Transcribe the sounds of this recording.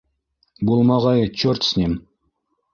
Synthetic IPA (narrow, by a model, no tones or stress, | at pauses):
bulˠmɑʁɑjɤt͡ɕort̪snʲem